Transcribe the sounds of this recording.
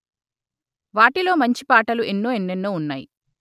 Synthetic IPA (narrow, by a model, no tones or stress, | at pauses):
ʋaːʈilo̞ːmɐɲt͡ʃipaːʈɐluenːoːenːenːoːunːa̰ːjḭ